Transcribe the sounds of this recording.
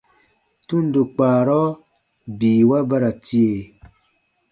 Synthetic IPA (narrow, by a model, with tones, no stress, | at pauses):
tu˦n˨do˨k͡paː˨ɾɔ˦ | biː˨wa˦ba˦ɾa˨ti˦e˨